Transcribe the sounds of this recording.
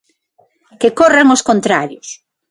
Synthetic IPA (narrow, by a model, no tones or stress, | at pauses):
kekoreŋoskont̪ɾaɾjʊs